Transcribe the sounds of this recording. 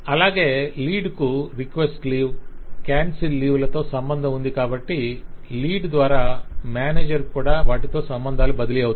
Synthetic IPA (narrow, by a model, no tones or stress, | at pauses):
ɐlaːɡe̞ːliːɖkuɾikʋesʈliːʋkaːnsilːiːʋlɐt̪o̞ːsɐmbɐnd̪ʱɐmund̪ikaːbɐʈːiliːɖd̪ʋaːɾaːmjaːneːd͡ʒɐɾkuːɽaːʋaːʈit̪o̞ːsɐmbɐnd̪ʱaːlubɐd̪ɐliɐut̪